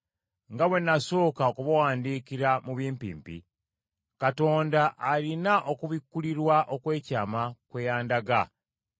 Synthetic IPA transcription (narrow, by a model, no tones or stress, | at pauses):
ŋɡawe̞nːaso̞ːkaokuβawaːndiːkiɾamuβiːmpḭːmpḭ | kato̞ːndaʔːlinaʔo̞kuβikːuliɾwaʔo̞kwe̞ːcaːmakwejaːndaɡa